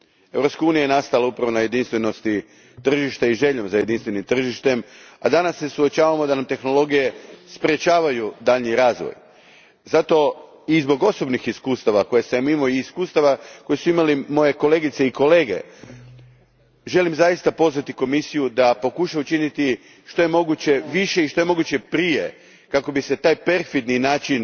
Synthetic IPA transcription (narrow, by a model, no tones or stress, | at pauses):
e̞vɾo̞pskauːnijajnast̪alaupɾaʋo̞naje̞d̪inst̪ʋe̞no̞st̪i | t̪r̩ʒiʃt̪eiʒe̞ʎomzaje̞d̪inst̪ʋe̞nimt̪r̩ʒiʃt̪e̞mad̪anasːe̞suot͡ʃaːʋamo̞d̪anamt̪e̞xno̞lo̞ɡije̞spɾe̞t͡ʃaːʋajud̪aʎniɾaːzʋo̰j | zat̪o̞ | izbo̞ɡo̞so̞bnixiskuːst̪aʋako̞jesemimoiːskuːst̪aʋako̞jesuimalimo̞je̞ko̞le̞ɡit̪se̞iko̞le̞ːɡe̞̰ | ʒe̞limzajist̪apo̞zʋat̪iko̞misijud̪apo̞kuʃaut͡ʃinit̪i | ʃt̪o̞je̞mo̞ɡut͡ɕe̞ʋiʃe̞iʃt̪o̞je̞mo̞ɡut͡ɕe̞pɾije̞ | kako̞bise̞t̪aːjpe̞ɾfid̪ninaːt͡ʃin